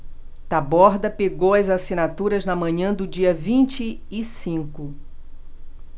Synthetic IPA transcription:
t̪abɔɾd̪ɐpeɡowɐzasĩnat̪uɾɐznɐmɐ̃ɲɐ̃d̪ʊd͡ʒiɐvĩnt͡ʃɪː | sĩkʊ

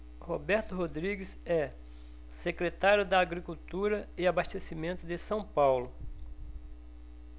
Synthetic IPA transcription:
hobɛɾt̪ʊɦod̪ɾiɡɪsɛ | sekɾet̪aɾjʊd̪ɐːɡɾikut̪uɾɐɪabast̪esimẽnt̪ʊd̪ɪsɐ̃w̃pawlʊ

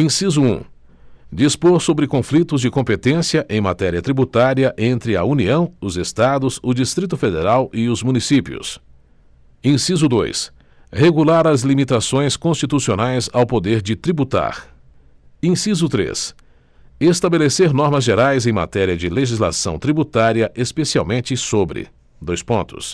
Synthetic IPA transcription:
ĩsizʊṵ̃ | d͡ʒispoɾsobɾɪkõflit̪ʊzd͡ʒɪkõpet̪ẽsiɐʔẽj̃mat̪ɛɾiɐt̪ɾibut̪aɾiɐʔẽnt̪ɾɪɐuniɐ̃w̃ʊzest̪ad̪ʊzʊd͡ʒist̪ɾit̪ʊfed̪eɾawɪʊzmũnisipiʊ̰s | ĩsizʊd̪o̰js | heɡulaɾɐzlimit̪asõj̃skõst͡ʃit̪usionajzawpod̪eɾd͡ʒɪt̪ɾibut̪a̰ɾ | ĩsizʊt̪ɾḛs | est̪abeleseɾnɔɾmɐzʒeɾajzẽj̃ma̰t̪ɛɾiɐd͡ʒɪleʒizla̰sɐ̰̃w̃t̪ɾibut̪aɾiɐʔespesia̰wmẽnt͡ʃɪsobɾɪ̰ | d̪ojspõnt̪ʊ̰s

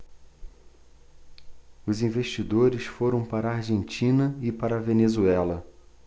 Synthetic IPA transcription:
ʊzĩveʃt͡ʃid̪oɾɪsfoɾɐ̃w̃paɾɐaɾʒẽnt͡ʃĩnɐɪpaɾɐvenezuɛlɐ

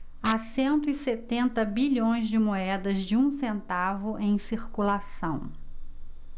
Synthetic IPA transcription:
asẽnt̪ʊiset̪ẽnt̪ɐbiʎõj̃zd͡ʒɪmoɛd̪ɐzd͡ʒɪũsẽnt̪avʊʔẽj̃siɾkulasɐ̃w̃

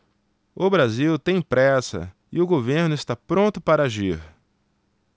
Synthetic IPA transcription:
ʊbɾaziwt̪ẽj̃pɾɛsɐ̰ | ɪʊɡoveɾnʊɪst̪apɾõnt̪ʊpaɾaʒiɾ

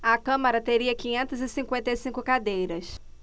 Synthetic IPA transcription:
ɐkɐ̃mɐɾɐt̪eɾiɐkĩɲẽnt̪ɐzɪsĩŋkwẽnt̪ejsĩŋkʊkad̪ejɾɐs

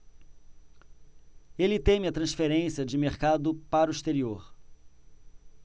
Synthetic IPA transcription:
elɪt̪ẽmiɐt̪ɾɐ̃sfeɾẽsiɐd͡ʒɪmeɾkad̪ʊpaɾʊiʃt̪eɾioɾ

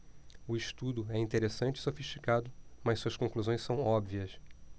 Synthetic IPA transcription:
ʊɪʃt̪ud̪ʊɛĩnt̪eɾesɐ̃nt͡ʃɪi̥sofiʃt͡ʃi̥kad̪ʊmɐssuɐskõkluzõj̃sɐ̃w̃ɔbviɐs

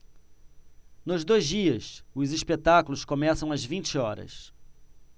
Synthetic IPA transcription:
nʊzd̪ojzd͡ʒiɐsʊziʃpet̪akulʊskomɛsɐ̃w̃ɐzvĩt͡ʃɪɔɾɐ̰s

